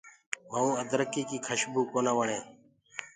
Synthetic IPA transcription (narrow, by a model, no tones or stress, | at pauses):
ʋəːũːəd̪ɾəkiːkiːkʰəʃbuːkoːnaːʋəɳẽː